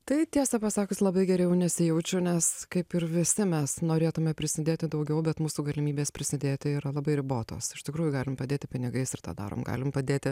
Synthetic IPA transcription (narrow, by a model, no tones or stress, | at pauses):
t̪ɐɪt̪ʲiɛsɐpɐsɑːkʊslˠɐbɐɪɡʲɛɾʲɛʊnʲɛsʲɪjɛʊt͡ʃʲɛʊnʲɛskɐɪpɪɾʋʲɪsʲɪmʲɛsnoːɾʲeːt̪ʊmʲɛpʲɾʲɪsʲɪd̪ʲeːt̪ʲɪd̪ɐʊɡʲɛʊbʲɛt̪muːsuːɡɐlʲɪmʲiːbʲeːspʲɾʲɪsʲɪd̪ʲeːt̪ʲɪiːɾɐlˠɐbɐɪɾʲɪboːt̪o̰ːsɪʃt̪ʲɪkɾuːjʊɡɑːlʲɪmpɐd̪ʲeːt̪ʲɪpʲɪnʲɪɡɐɪsɪrt̪ɑ̰ːd̪ɑ̰ːɾo̰ːmɡɑ̰ːlʲɪmpɐd̪ʲeːt̪ʲɪ